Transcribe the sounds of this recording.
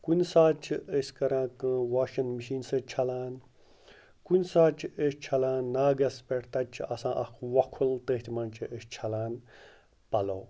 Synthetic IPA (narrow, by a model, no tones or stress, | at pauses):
kunʲsaːt͡ʃʰiəsʲkɐɾãːkɨwaːʃɐnmiʃiːnsɐt͡ʃʰɐlaːn | kunʲsaːt͡ʃʰiest͡ʃʰɐlaːnːaːɡɐspʲeʈʰt̪ɐt͡ʃʰiʔɐsãːʔɐkʰʋɐkʰult̪əːt̪ʰʲmɐnt͡ʃʰiʔest͡ʃʰɐlaːn | pɐloː